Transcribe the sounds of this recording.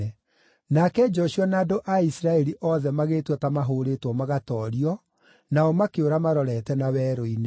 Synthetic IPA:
ɛ | nakɛd͡ʒɔʃiɔnaːdoʔaisɾaɛɾiʔɔðɛmaɣeːtwɔtamaɦoːɾetwɔmaɣatɔɾiɔ | naɔmakeoɾamaɾɔɾɛtɛnawɛːɾoine

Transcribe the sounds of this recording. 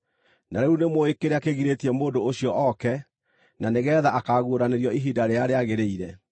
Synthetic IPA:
naɾeunemoekeɾeakeɣiɾetiɛmoːndooɕiɔʔɔkɛ | naneɣɛðaʔakaɣuoɾaneɾjɔiɦidaɾeaɾeaɣeɾeiɾɛ

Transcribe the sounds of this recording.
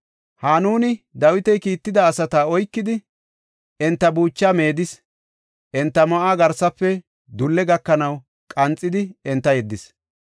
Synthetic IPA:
haːnuːnɪd̪ɐwɪt̪ɛjkiːt̪ːɪd̪ɐːsɐt̪aɔjkːɪd̪ɪ | ɛnt̪ːɐbuːt͡ʃːaːme̞ːd̪ɪs | ʔɛnt̪ːɐmɐʔaːɡɐɾsɐpːɛ | d̪ʊlːɛɡɐkːɐnɐw | kʼɐnt͡sʼːɪd̪ɪɛnt̪ːɐjɛd̪ːɪs

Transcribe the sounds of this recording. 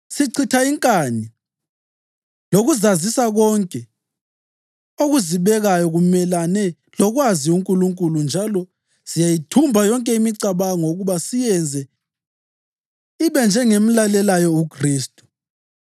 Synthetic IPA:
siǀʰitʰaiŋkʼani | loɣuzazisaɣɔŋkʼɛ | oɣuziβɛɣajɔɣumɛlanɛ | lɔɣwaziuŋkʼuluŋkʼulund͡ʒʱalɔ | z̥ijajitʰumbʱajɔŋkʼɛimiǀaβaŋoɣuβasijɛnd͡zʱɛ | iβɛnd͡ʒʱɛŋem̩lalɛlajɔukʰriːstʼu̥

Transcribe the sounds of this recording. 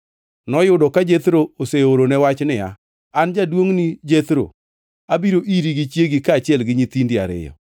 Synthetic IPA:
nɔjʊdɔkad͡ʒet̪ɾooseoɾonɛwat͡ʃnɪja̰ | and͡ʒadwoŋnɪd͡ʒet̪ɾo̰ | abiɾoʔiɾiɡit͡ʃjeɡikaːt͡ʃɪɛlɡɪɲit̪indɪa̰ɾɪ̰jɔ̰

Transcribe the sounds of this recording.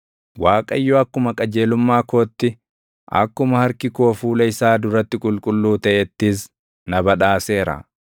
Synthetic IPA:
waːkʼɐ̰ɪjːoɐkːʊmɐkʼɐd͡ʒe̞ːlʊmːaːkoːt̪ːɪ | ʔɐ̰kːʊmɐhɐɾkɪkoːfuːlɐɪsaːd̪ʊɾɐt̪ːɪkʼʊlkʼʊlːuːt̪ɐʔɛt̪ːɪs | nɐbɐᶑaːse̞ːɾɐ̰

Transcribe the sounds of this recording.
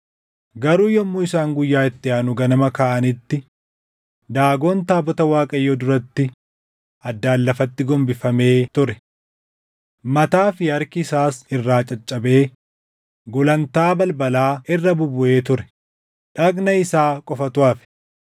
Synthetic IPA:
ɡɐɾuːjɔmːʊɪsaːŋɡʊjːaːɪt̪ːɪaːnʊɡɐnɐmɐkaːʔɐnɪt̪ːɪ | d̪aːɡo̞ːnt̪aːbɔt̪ɐwaːkʼɐjːɔd̪ʊɾɐt̪ːɪ | ɐd̪ːaːlːɐfɐt̪ːɪɡɔmbɪfɐme̞ːt̪ʊɾɛ | mɐt̪aːfɪhɐɾkɪːsaːsɪrːaːt͡ʃʼɐt͡ʃʼːɐbe̞ː | ɡɔlɐnt̪aːbɐlbɐlaːɪrːɐbʊbʊʔe̞ːt̪ʊɾɛ̥ | ᶑɐkʼnɐɪsaːkʼɔfɐt̪ʊaːfɪ̥

